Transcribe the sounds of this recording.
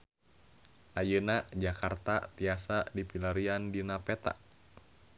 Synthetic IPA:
ʔajənad͡ʒakart̪at̪iasadipilaɾiandinapɛt̪a̰ʔ

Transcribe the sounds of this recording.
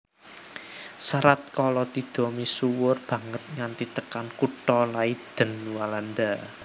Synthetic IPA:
saɾat̪̚kɔlɔt̪i̤d̪̥o̤misuwʊrb̥ä̤ŋət̪̚ŋant̪it̪əkankuʈ̪ɔlaid̪̥ə̤nwaland̪a

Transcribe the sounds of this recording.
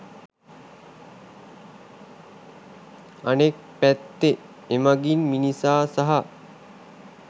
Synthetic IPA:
anek̚ | pæt̪ːe | emaɡinminisaːsaɦɐ

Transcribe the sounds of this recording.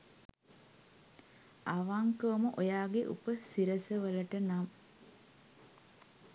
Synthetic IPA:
aʋaŋkəməʔojaːɡeʔṵpəsiɾəsəʋələʈənam

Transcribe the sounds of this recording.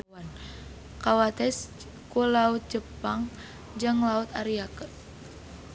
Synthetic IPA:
an | kawat̪ɛs | kulaut̪̚d͡ʒəpaŋ | d͡ʒɨŋlaut̪aɾiakə

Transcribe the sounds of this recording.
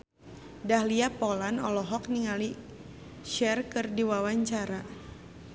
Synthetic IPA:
dahliapɔlanɔlɔɦɔkniŋali | ʃɛrkɨrdiwawaɲt͡ʃaɾa

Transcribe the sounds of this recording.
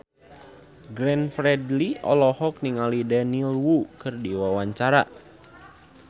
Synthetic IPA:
ɡɾɛnfɾɛdliʔɔ̰lɔhɔk̚niŋalidɛnilwukɨrdiwawaɲt͡ʃaɾa̰

